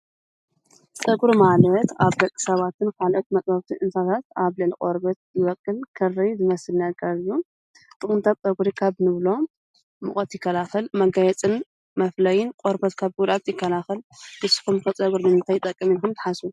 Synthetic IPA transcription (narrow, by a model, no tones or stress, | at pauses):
t͡sʼɐɡuɾumalɐt̪aβɡɐkʼːɨ̥sɐβat̪ʰɨnkʰalʔot̪̚mɐt͡sʼɐɾt̪ʰiʔɨnt̪ʰat̪ʰat̪aβlɨʕlikʼoɾbɐt̪̚jɪwɐkʼːɨlkʰɨrːɐjzɨmɐsɨlnɐɡʼɐɾju | t̪ʼɨkʼɨnt̪ʰat̚t͡sʼɐɡuɾikʰaβnɨβlo̞ | mɨχʼɐt̪jɪkːɐlaxɨlmɐɡɐjɛt͡sʼɨn | mɐflɐjɪnkʼoɾbɐt̪kʰaβɡuɾat̪jɪkːɐlaxɨlbɨsɨ̥xumkɐt͡sʼɐɡuɾnɨmɨnt̪ʰajɪt̪ʼɐkʼːɐminkʰumt̪ɨ̥ħasu